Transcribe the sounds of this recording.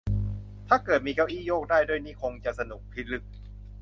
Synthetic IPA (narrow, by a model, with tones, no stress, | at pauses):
t̪ʰaː˥˩kɤː˨˩t̪̚miː˧kɛː˧˦˥wʔiː˥˩˨joː˥˩k̚daː˥˩jdoː˥˩˨jniː˥˩kʰo˧ŋt͡ɕa˨˩ʔsa˧nu˨˩k̚pʰi˦˥lɯ˦˩k̚